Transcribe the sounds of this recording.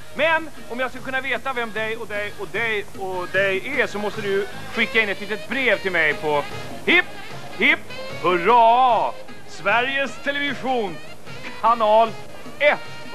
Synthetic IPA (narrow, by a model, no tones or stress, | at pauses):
mɛn | ɔmjaːskɵlkɵnːaveːt̪avɛmd̪ɛjɔd̪ɛjɔd̪ɛj | ɔd̪ɛjæsɔmɔst̪əd̪ɵ | ɧɪkːaɪnːɛt̪liːt̪ət̪̚bɾeːvt̪ʰɪlmɛjpʰɔ | hɪpː | hɪpː | hɵɾɑ | svæɾjəst̪ʰɛlɛvɪɧuːn | kʰanɑːl | ɛt̪ː